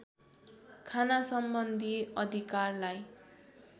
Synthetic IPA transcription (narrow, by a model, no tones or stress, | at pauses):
kʰanasʌmbʌnd̪ʱiʌd̪ʱikarlaj